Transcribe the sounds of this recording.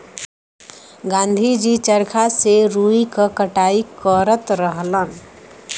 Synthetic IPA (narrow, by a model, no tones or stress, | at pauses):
ɡãːnd̪ʱid͡ʒit͡ʃəɾkʰaseɾuikəkəʈaːikəɾət̪ɾəɦlən